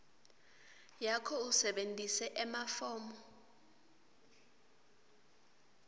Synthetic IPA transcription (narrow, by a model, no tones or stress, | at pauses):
jakʰɔusɛɓentʼisɛʔɛmafɔːmɔ